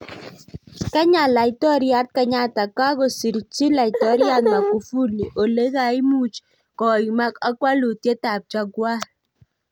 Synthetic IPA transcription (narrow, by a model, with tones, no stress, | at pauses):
ka˦ɲa˨la˨ɪ˦˨tɔ˦ɾja˦t̚ka˦ɲa˦ta˨ka˦ko˨si˨ɾi˨t͡ʃi˦la˨ɪ˨tɔ˨˦ɾja˦t̚ma˨ku˨fu˦li˨ʔo˨le˦ka˨i˦mu˦t͡ʃ | kɔ˨i˨ma˦ka˦kwa˦lo˨tje˦ta˨p̚t͡ʃa˦ɡwa˦